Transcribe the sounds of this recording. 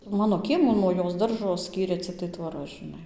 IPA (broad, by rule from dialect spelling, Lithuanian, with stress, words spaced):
ˈmɑːnoː ˈkʲiɛmuː nuɔ ˈjoːs ˈdɐrʒoː ˈsʲkʲiːrʲeː t͡sʲɪkˈtɐɪ tʋoːˈrɐ ʒʲɪˈnɐɪ